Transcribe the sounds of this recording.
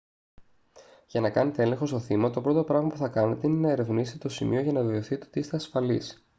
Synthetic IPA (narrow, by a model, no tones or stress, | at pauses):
ʝɐnɐkɐne̞t̪eele̞ŋxo̞st̪o̞θimɐt̪o̞pɾo̞t̪o̞pɾɐɣmɐpuθɐkɐne̞t̪e̞ine̞nɐeɾe̞vniset̪et̪osimio̞ʝɐnɐðioθit̪ot̪ist̪eɐsfɐlis